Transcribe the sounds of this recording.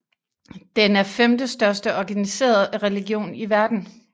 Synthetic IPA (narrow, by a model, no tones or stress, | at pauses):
d̥enæɐfemd̥əsd̥ɶɐsd̥əɒɡ̥ænise̝̰ːɐð̩ˠʁɛliɡjo̝̰ːniʋæɐd̥n̩